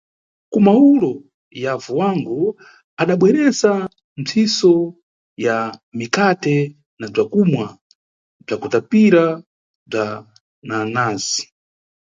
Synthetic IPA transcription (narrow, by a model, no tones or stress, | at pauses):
kumaulɔ | javuwaŋɡɔ | aɗaɓwɛɾɛsa | n̩t͡sʰisɔ | jamikatɛ | nab͡ʐakumwa | b͡ʐakutapiɾa | b͡ʐa | nanaːzi̥